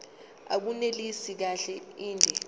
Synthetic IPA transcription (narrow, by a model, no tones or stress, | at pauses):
a̰k̬unelisik̬aɬɛiːndʱɛ